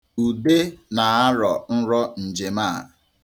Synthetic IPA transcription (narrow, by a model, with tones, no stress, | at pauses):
u˨de˦na˨a˦ɾɔ˨n̩˦ɾɔ˦n̩˨d͡ʒe˨maː˦˨